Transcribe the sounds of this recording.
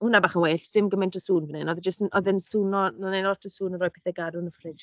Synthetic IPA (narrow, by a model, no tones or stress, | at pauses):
hʊnabaːχənweːɬsɪmɡəmɛntʰɔsuːnvənenɔðɛd͡ʒəstənɔðənsuːnɔnɔnenɔrtʰəsuːnənɾɔːjpɛθɛɡadʊnəfrɪd